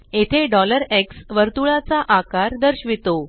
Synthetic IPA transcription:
et̪ʰeɖɔləɾeksʋəɾt̪uɭat͡saʔakaɾd̪əɾɕʋit̪o

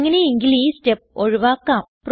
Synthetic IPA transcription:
ŋːɐneiŋɡilisʈep̚oɻuʋaːkːaːmpr

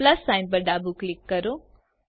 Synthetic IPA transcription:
ləsːaɪnp̬əɾɖabuklɪkːəɾõ

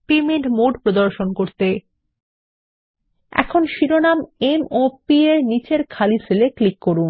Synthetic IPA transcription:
pemeɳʈmoɖpɾod̪oɾʃonkoɾt̪e | ɛ̰kʰonʃiɾonamemopieɾnit͡ɕeɾkʰaliseleklikːoɾun

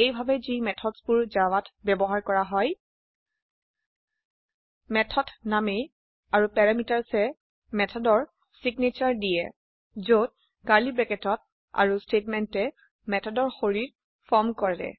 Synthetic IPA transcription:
ejbʱabɛzimɛtʰɔdspuɹzawatʰbɛbɔɦaɹkɔɹaɦɔj | mɛtʰɔtʰnamej | aɹupɛɹamitaɹsɛ | mɛtʰɔdɔɹ | siɡnet͡ʃaɹdijɛ | zot̚ | kaɹlibɹɛkɛtɔt̚ | a̰ɹustetmɛntɛ | mɛtʰɔdɔɹxoɹiɹ | fɔɹmkɔɹɛdɛ̰

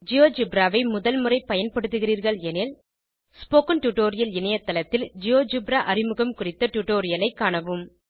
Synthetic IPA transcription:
d͡ʒɪjoːd͡ʒʊbɾaːʋɐɪmʊðɐlmɯrɐɪpɐjɐnpɐɽɯt̪̬ːɯɣɪriːɾɣɐɭɛnɪl | spoːkɐnʈuʈoːɾɪjɐlɪnɐjɐt̪ːɐlɐt̪ːɪld͡ʒɪjoːd͡ʒʊbɾaːʔɐrɪmɯɣɐmkʊrɪt̪ːɐʈʊʈːoːɾɪjɐlɐɪkːaːɳɐʋɯm

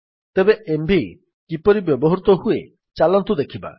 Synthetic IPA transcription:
t̪ebeembʱi | kipɔɾibjɔbɔɦɔɾut̪ɔɦue | t͡ʃalɔnt̪ud̪ekʰiba̰

